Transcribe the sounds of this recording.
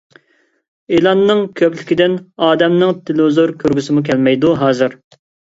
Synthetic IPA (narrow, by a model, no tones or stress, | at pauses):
elˠɑnːɨŋkʲʰøplɪkʲid̪ɪnɑːd̪ɛmnɨŋt̪ʰɪlzoɾkʲʰøɾɡʲysɪmukʲʰɛlmɛjd̪uɦɑːzɨɾ